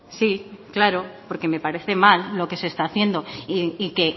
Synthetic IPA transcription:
siklaɾo̞po̞ɾke̞me̞paɾe̞θe̞malːo̞ke̞se̞ːst̪aːθje̞nd̪o̞iike̞

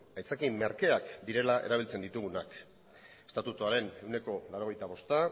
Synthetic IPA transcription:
ajt͡sakimmːeɾkeakd̪iɾe̞laʔeɾaβ̞ilt͡se̞nd̪it̪uɣunak | e̥st̪at̪ut̪oaɾe̞ne̞wne̞ko̞laɾo̞ɣ̞e̞jt̪aβ̞o̞st̪a

